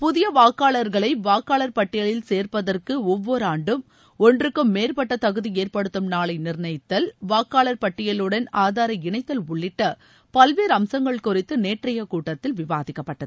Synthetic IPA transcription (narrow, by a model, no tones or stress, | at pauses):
pʊðɪjɐʋaːkːaːɭɐɾɣɐɭɐɪʋaːkːaːɭɐɾpɐʈːɪjɐɭɪlseːrpɐðɐrkɯɔʋːɔɾaːɳɖɯm | ɔndrɯkːɯmːeːrpɐʈːɐt̪ɐɣɯðieːrpɐɽɯt̪ːɯmnaːɭɐɪnɪɾɳɐɪt̪ːɐlʋaːkːaːɭɐɾpɐʈːɪjɐlɯɽɐnaːðaːɾɐɪɳɐɪt̪ːɐlʊɭːɪʈːɐ | pɐlʋeːɾɐmsɐŋɡɐɭkʊrɪt̪ːɯneːʈrɐjɐkuːʈːɐt̪ːɪlʋɪʋaːðɪkːɐpːɐʈːɐðɯ